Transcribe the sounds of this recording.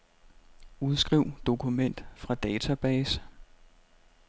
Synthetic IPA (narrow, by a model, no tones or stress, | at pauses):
uð̞ˠsɡ̥ʁiʊ̰d̥o̝kʰumen̰d̥fʁɑ̈d̥ɛːt͡sʰæb̥ɛːsə̥